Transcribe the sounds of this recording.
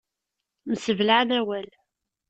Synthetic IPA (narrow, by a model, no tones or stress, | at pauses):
məsəvlaʕnæwæl